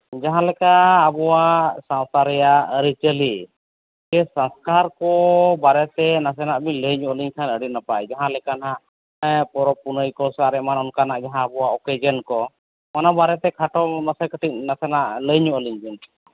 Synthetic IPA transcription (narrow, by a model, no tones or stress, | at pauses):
d͡ʒaɦãlɛkaːbɔwasãw̃t̪aɾɛjaəɾit͡ʃəli | d͡ʒɛsãnskaɾkɔbaɾɛt̪ɛnas̬ɛnaʔbiɲləjɲuʔəliɲkʰanəɽinapajd͡ʒaɦãlɛkanɦaʔ | pɔɾɔpunəjkɔsaɾɛʔmanɔnkanaʔd͡ʒaɦãəbɔwaɔkɛd͡ʒənkɔ | manabaɾɛt̪ɛkʰaʈɔnasakəʈit̚nasɛnaʔləɲuʔəliɲbin